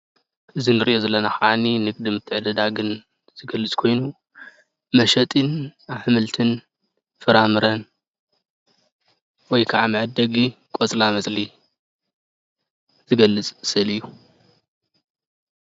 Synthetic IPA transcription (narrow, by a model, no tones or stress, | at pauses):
ʔɨzinɨɾiʔozɐlːɐnaxɐʕaninɨɡ̚ʼd̪ɨmɨt̪ʰːɨʕɨd̪ɐd̪aɡɨn | z̥ɨɡɐlːɨt͡sʼkʰo̞jnu | mɐʃɐt̪ʼinaβħɨmɨlt̪ʰɨn | fɨɾamɨɾɐn | wɔjkʰaʕamɨʕɨd̪ːɐɡikʼot͡sʼlamɐsʼli | z̥ɨɡɐlːɨt͡sʼsɨlijːu